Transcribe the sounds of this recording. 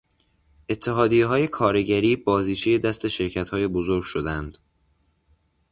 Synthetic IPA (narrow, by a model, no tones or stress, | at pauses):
ʔe̞t̪ʰːe̞ɦɒːd̪ijeɦɒːje̞kʰɒːɾeɟæɾiːbɒːziːt͡ʃʰeje̞d̪æst̪ʰe̞ʃe̞ɾcʰæt̪hɒːje̞bozoɾɡ̥ʃod̪ænd̪̥